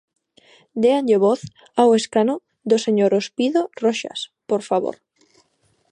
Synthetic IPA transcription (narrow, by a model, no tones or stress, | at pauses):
d̪eanʎeβoθ | aweskano | ðoseɲoɾospiðoroʃa̰spoɾfaβo̰ɾ